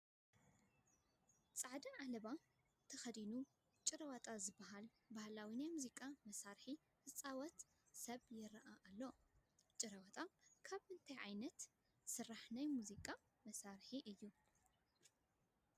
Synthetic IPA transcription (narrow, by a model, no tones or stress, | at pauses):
t͡sʼaʕd̪ɐʕalɐβa | t̪ʰɐxɐd̪inu | t͡ʃʼɨɾɐwɐt̪ʼazɨbːɐɦal | bahlawinajmuzikʼamɐsaɾħi | hɨt͡sʼawɐt̪ | sɐβjɪɾʔaʔːlːot͡ʃʼɨɾɐwɐt̪ʼakʰaβɨnt̪ʰajʕajnɐt̪ | sɨrːaħnajmuzikʼa | mɐsaɾħiʔɨjːu